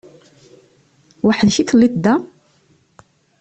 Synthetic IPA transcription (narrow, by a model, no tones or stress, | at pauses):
waħəðçikəlːit̪d̪ːæ